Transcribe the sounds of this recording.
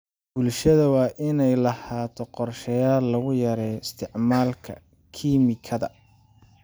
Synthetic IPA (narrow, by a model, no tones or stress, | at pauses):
b̥ʊlʃɐðɐwɑːʔɪnɛjlɐhaːt̪ʰɔqɔrʃɛjaːlːɐɣʊjɐɾɛɪst̪ʰɪʕmaːlkʰɐ̰ | kʰiːmɪkʰɐðɐ̰